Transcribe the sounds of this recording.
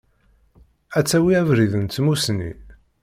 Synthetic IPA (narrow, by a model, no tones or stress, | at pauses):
æt͡sːæwiævɾiðənt̪ːmusnḭ